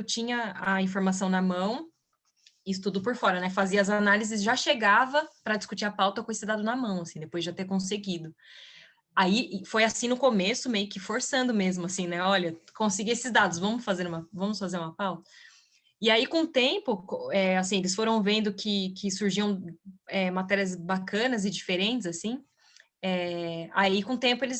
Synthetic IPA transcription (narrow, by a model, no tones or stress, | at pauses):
t͡ʃĩɲɐaĩfoɾmas̬ɐ̃w̃nɐmɐ̃w̃ | ist̪ud̪ʊpʊɾfɔɾɐnɛfaziɐːzanalizɪzʒaʃeɡavɐpɾɐd͡ʒiskut͡ʃiɾɐpawt̪ɐkõesɪd̪ad̪ʊnɐmɐ̃w̃ɐsĩd̪epojzd͡ʒat̪eɾkõseɡid̪ʊ | aifojasĩnʊkomesʊmejʊkɪfoɾsɐ̃nd̪ʊmezmʊasĩnɛɔʎɐkõsiɡiesɪzd̪ad̪ʊsvɐ̃mʊsfazeɾũmɐvɐ̃mʊsfazeɾũmɐpawt̪ɐ̥ | ɪaikõt̪ẽpʊkoɛasĩelɪsfoɾɐ̃w̃vẽnd̪ʊkʰɪkʰɪsuɾʒiɐ̃w̃ɛmat̪ɛɾiɐz̬bakɐ̃nɐzɪd͡ʒifeɾẽnt͡ʃɪzasĩ | ɛaikõt̪ẽmpʊelɪs